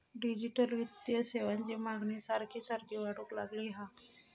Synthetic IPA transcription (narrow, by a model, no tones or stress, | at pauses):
ɖid͡ʑiʈəlʋid̪jəseʋant͡ɕemaɡnesaɾkʰisaɾkʰiʋaɽukla̰ɡliɦa